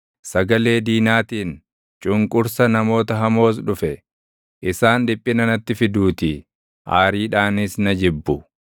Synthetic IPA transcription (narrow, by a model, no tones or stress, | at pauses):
sɐɡɐle̞ːd̪iːnaːt̪iːn | t͡ʃʼʊŋkʼʊɾsɐnɐmo̞ːt̪ɐɦɐmo̞ːs̬ᶑʊfɛ | ʔɪsaːnᶑɪpʼːɪnɐnɐt̪ːɪfɪd̪uːt̪ɪ | ʔaːɾiːᶑaːnɪsnɐd͡ʒɪbːʊ